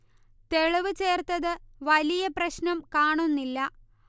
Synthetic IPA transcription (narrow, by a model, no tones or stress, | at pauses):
t̪e̞ɻɐʋɨt͡ɕe̞ːrt̪ɐðɨʋɐlijɐprɐɕnɐmkaːɳunːilːɐ